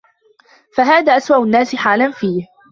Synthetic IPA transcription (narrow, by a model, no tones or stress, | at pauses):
faɦaːðaːʔaswaʔʊnːaːsɪħaːlanfiːh